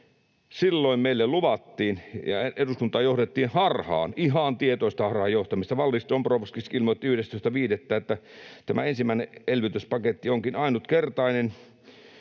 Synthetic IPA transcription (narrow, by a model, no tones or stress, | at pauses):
silːoimmeilːelluʋɑt̪ːiːnjɑ̰eeduskunt̪ˑɑːjohɾet̪ːiːnhɑrhɑ̰ːnʔiɦɑnt̪iet̪oˑist̪ɑhɑrhɑjoht̪ɑmist̪ɑʋɑlːist̪omproˑʋskisilmoˑt̪ːiyhdest̪oˑist̪ɑʋiːdet̪ːæːet̪ːæt̪æmæ̰ensimæˑneelʋit̪yspɑket̪ːioŋkinɑinut̪kert̪ɑinen